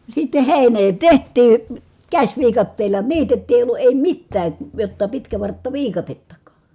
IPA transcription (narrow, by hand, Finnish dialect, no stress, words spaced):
sitːe heˑineː tehtˑiː kæsʲʋiːkɑtːeːlˑɑ niːtetːiː eˑi olːu eˑi mitːæː jotːɑ pitkæʋɑrtːɑʋiːkɑtetːɑkɑ̥ː